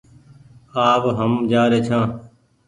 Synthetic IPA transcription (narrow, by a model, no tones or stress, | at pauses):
aːʋɦəmd͡ʒaːɾeːt͡ʃʰãː